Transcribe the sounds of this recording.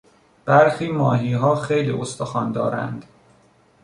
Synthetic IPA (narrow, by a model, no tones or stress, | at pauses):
b̥æɾxiːmɒːɦiːɦɒːxejlḭːʔost̪oxɒːnd̪ɒːɾæ̰nd̪̥